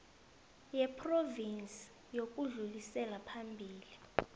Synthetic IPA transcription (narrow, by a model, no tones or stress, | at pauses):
jɛpʰrɔvint͡sʼ | jok̬ʼuɮulisɛlapʰambʱiːli